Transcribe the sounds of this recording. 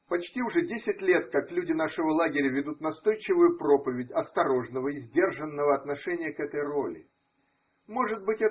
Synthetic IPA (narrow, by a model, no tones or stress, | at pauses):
pɐt͡ɕtʲiʊʐɛdʲesʲɪtʲlʲe̞t̪kaklʲudʲɪnaʂɨvəlˠaɡʲɪɾʲəvʲɪd̪ut̪nɐst̪o̞jt͡ɕɪvʊjʊpɾo̞pəvʲɪtʲɐst̪ɐɾo̞ʐnəvəɪzʲdʲe̞rʐənːəvəɐt̪nɐʂɛnʲɪjəkɛt̪əjro̞lʲɪ̰ | mo̞ʐɨdt̪̚bɨtʲɛ